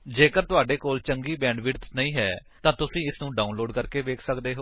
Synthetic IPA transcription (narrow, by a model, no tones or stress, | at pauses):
d͡ʒeːkəɾt̪ʊaːɖeːkoːlt͡ʃəŋɡiːbɛ̃ːɳɖʋɪɾt̪nəĩːɦɛːt̪ãːt̪ʊsĩːɪsnũːɖaːunloːɖkəɾkeːʋeːkʰsəkd̪eːɦoː